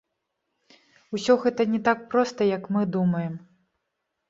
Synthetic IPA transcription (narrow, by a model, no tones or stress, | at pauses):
usʲɔɣɛt̪ɐnʲɛt̪ak̚pɾɔst̪ɐjɐkmɨd̪umɐjɛm